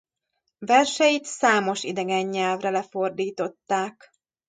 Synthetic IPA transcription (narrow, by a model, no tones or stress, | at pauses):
vɛrʃɛjit̪saːmo̞ʃid̪ɛɡɛɲːɛlvrɛlɛfo̞rd̪iːt̪o̞t̪ːaːk